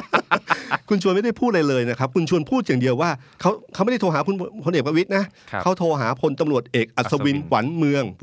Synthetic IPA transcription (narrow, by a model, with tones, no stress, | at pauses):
kʰu˧nt͡ɕʰu˧nma˥˩da˥˩jpʰuː˥˩ɾa˧jlɤː˧jna˦˥kʰa˦˥p̚kʰu˧nt͡ɕʰu˧ənpʰuː˥˩t̪̚jaː˨˩ŋdi˧əwaː˥˩kʰa˦˥wkʰa˦˥ma˥˩da˥˩tʰoː˧ɦaː˩˦kʰu˧npʰo˧nʔeː˨˩kpɾa˧wi˦˥t̪̚na˦˥ʔkʰa˦˥wt̪ʰoː˧ɦaː˩˦pʰo˧nt̪a˧mɾu˨˩ət̪̚ʔeː˨˩k̚ʔa˨˩t̪̚sa˧wi˧nwa˩˦nmɯ˧əŋ